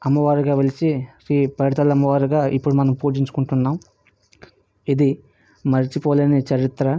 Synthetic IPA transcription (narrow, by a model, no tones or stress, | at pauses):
ɐmːɐʋaːɾuɡaːʋelit͡ʃiɾiːpɐjɽt̪ɐlɐmːɐʋaːɾuɡaːʔipːuɽumɐnɐmpuːd͡ʒiɲt͡ʃu̥kuɳʈunːaːm | id̪i | mɐɾit͡ʃipɔːleːnet͡ʃɐɾit̪ɾɐ